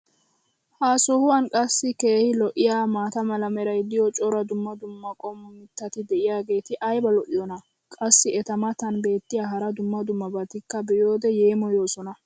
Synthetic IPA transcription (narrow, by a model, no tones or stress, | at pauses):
haːsɔhʊwɐnkʼɐsːɪke̞ːhɪlɔʔɪjaːmaːt̪ɐmɐlɐmɛɾɐjd̪ɪjɔt͡ʃʼɔɾɐd̪ʊmːɐd̪ʊmːɐkʼɔmːʊmɪt̪ːɐt̪ɪd̪ɛʔɪjaːɡe̞ːt̪ɪʔɐjbɐlɔʔɪjɔnɐ | kʼɐsːɪɛt̪ɐmɐt̪ɐnbe̞ːt̪ːɪjaːɦɐɾɐd̪ʊmːɐd̪ʊmːɐbɐt̪ɪkːɐbɛjo̞ːd̪ɛje̞ːmɔjo̞ːsɔnɐ